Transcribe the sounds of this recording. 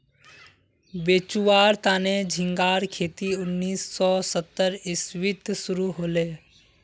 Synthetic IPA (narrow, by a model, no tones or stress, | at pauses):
beːt͡ʃuwaːɾt̪aːned͡ʒʱɪ̃ŋɡaːɾkʰeːt̪iʊnːiːsːɔsət̪ːəɾɪswɪt̪sʊɾuɦoːleː